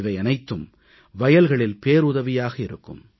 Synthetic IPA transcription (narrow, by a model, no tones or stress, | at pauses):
ɪʋɐɪɐnɐɪt̪ːɯm | ʋɐjɐlɣɐɭɪlpeːɾʊðɐʋɪjaːɣɐɪɾɯkːɯ̰m